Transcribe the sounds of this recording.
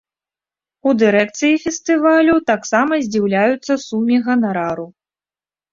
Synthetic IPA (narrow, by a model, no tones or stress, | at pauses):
ud̪ɨɾɛk̚t̪sɨjifʲɛst̪ɨvalʲut̪aksamɐzʲd͡zʲiwlʲajut̪sːɐsumʲiɣɐnaɾaɾu